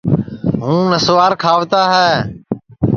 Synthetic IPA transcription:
ɦũːnəsːaːɾkʰaːʋt̪aːɦɛː

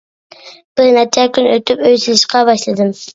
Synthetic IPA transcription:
b̥ɪɾnɛt͡ʃʰɛkʲʰynøt̪ʰypøjsɪlɪʃqɑbɑʃlˠɨd̪ɨm

